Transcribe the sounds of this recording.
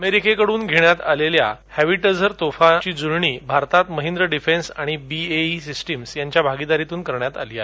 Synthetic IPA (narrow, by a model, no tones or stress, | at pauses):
əmeɾikʰekəɽuːnɡʱeɳjat̪alelja̰hhæʋiʈəd͡zəɾt̪ofat͡ɕiːd͡zuɾɳiːbʱaɾt̪at̪məɦĩnd̪ɾəɖifensaɽ̃ibieisisʈimsjaɲt͡ɕjabʱaɡid̪aɾit̪uːnkəɾɳjat̪a̰liːa